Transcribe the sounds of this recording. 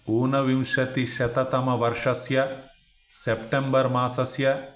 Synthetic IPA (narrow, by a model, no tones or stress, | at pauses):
oːnɐʋimʃɐt̪iʃɐt̪ɐt̪ɐmɐʋɐɾʂɐsjɐ | sepʈembɐɾmaːsɐsjɐ